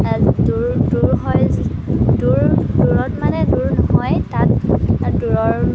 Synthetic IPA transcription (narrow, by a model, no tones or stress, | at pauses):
duɹduɹɦɔj | duɹduɹɔtmanɛduɹnɔɦɔjtat̚duɹɔɹ